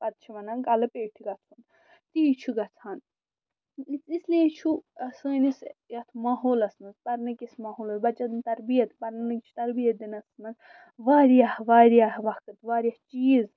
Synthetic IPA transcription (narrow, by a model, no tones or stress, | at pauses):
pɐd̪̚t͡ʃʰiʋɐnanɡɐlɐpeːʈʰiɡɐt͡sʰun | t̪it͡ʃʰuɡɐt͡sʰaːn | it͡sislet͡ʃʰuɐsəːnisjɐt̪ʰmaɦoːlɐsnɐzpɐɾnɐkismaɦoːlɐzbɐt͡ʃɐt̪nt̪ɐɾbijɐt̪pɐɾnɐnɐkt͡ʃʰu̥t̪ɐɾbijɐt̪̚d̪inɐsɐnɐz | ʋaːɾijahʋaːɾijahʋɐkɨt̪ʋaːɾʲjɐht͡ʃiːz